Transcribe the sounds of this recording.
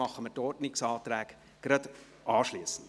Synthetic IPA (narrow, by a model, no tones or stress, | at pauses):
ɑχːəmətɔrtnɪksɑːt̪ɾæːk | ɡ̥ɾɑd | ʔɑːʃliəsən̩d